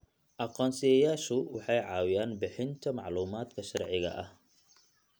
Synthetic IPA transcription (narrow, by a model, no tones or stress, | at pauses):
ʔɑqɔːnsɪjɛjaːʃʊwɑħɑjʕɑːwɪjaːnbɪħɪnt̪ʰɐmɑʕluːmaːd̪kʰɐʃɑrʕɪɣɐ̰ʔɐh